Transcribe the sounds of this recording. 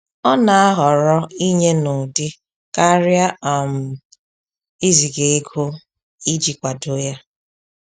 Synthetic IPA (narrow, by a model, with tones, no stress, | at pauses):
ɔ˦na˨a˦ɦɔ˨ɾɔ˦i˦ɲe˦no˨dɪ˦ | ka˦ɾja˦a˨m̩˨ | i˦zi˨ɡe˨e˦ɡʰo˦ | i˦d͡ʒi˨kʷa˨do˦ja˦